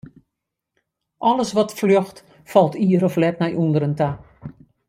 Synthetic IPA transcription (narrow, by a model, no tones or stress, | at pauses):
ʔɔləsʋɔtfløxt | fɔlˠtʰiəɾɔflɛt̚nɛjʔundəɾənta